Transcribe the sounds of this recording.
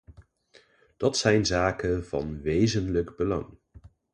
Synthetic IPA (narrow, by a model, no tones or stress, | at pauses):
d̥ɑtsɛjnzaːkənv̥ɑ̰nʋejzənləɡbəlɑ̰ŋ